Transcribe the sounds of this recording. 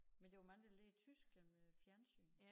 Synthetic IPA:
mend̥e̝ʋmɑŋd̥ælet͡sʰysɡ̥emfjæɐnsy̰ːn

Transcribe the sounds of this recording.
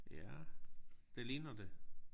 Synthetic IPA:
jæ | d̥eliːnɐd̥e

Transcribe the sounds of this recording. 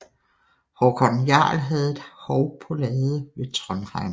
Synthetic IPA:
hɒkʰɒnjɑ̰̈ːlɦɛð̩ˠe̝d̥hɒʊpʰɔ̽lɛːðˠəʋe̝t͡sʰʁɒnʁɑ̈ɪ̰n

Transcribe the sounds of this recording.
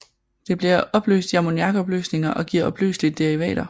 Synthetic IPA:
d̥e̝b̥liɐʔɒ̽b̥lø̰ːsd̥jɑmo̝niɑ̈ɡ̥ɒ̽b̥lø̰ːsne̝ŋɐʔɒ̽ɡ̥iːɐɒ̽b̥ly̰ːslid̥ːeʁiʋɛ̰ːɾ̥ɐ

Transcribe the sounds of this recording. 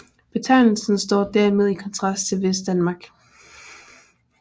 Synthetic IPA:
b̥e̝t͡sʰɑ̈ɪnl̩sn̩sd̥ɒ̰ːd̥æɐmeð̞ˠikʰɒ̽nt͡sʰʁɑ̈sd̥t͡sʰe̝lʋesd̥ænmɑ̈ːɡ̥

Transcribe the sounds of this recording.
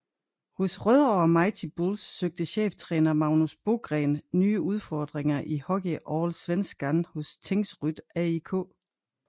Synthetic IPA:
hɔsʁœðˠɒɐmɑ̈ɪt͡sʰib̥olsːøɡ̥̚d̥əɕḛːft͡sʰʁɛːnɐmɑ̈ʊnusb̥o̝ɡ̥ʁɛ̰ːnnyːəʔuð̞ˠfɒːd̥ʁeŋɐʔihɒ̽ɡ̥iʔɒːlsʋen̰sɡ̥ænhɔ̽st͡sʰeŋsʁyd̥æikʰɔ̰ː

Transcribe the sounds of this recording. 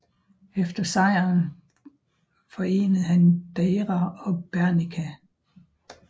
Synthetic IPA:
efd̥ɐsɑ̈ɪ̰ɐn | fɒ̽e̝̰ːnəð̩ˠhænd̥eɪʁɑɒ̽b̥æɐnikʰæ

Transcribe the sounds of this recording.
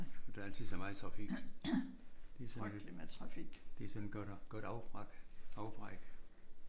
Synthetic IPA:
d̥æl̰t͡sʰiðˠsɒmɑ̈ɪt͡sʰʁɑ̈fiɡ̥ | d̥e̝sɒmæt͡sʰʁɑ̈fiɡ̥d̥e̝sɒneɡ̥d̥ɡ̥ɔd̥ɑʊɡ̥ɑ̈ʊb̥ʁɑɡ̥

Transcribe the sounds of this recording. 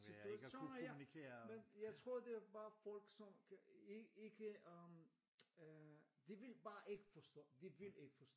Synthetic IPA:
siuʃo̝̰ːnjnikʰeɐmenjɑ̈ɪt͡sʰʁo̝ɐ̰d̥e̝æb̥ɑ̈ːfɒl̰ɡ̥sɒ̽mkʰæeɡ̥eɡ̥ə | d̥eʋelb̥ɑ̈ːʔe̝ɡ̥əfɒsd̥ɔ̰ːd̥eʋe̝le̝ɡ̥əfɒsd̥ɔ̰

